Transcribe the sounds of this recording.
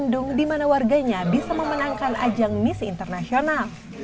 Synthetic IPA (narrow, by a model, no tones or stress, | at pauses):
ndʊŋdimanawarɡaɲabisaməmənaŋkanʔa̰d͡ʒaŋmisḭnt̪ərnasional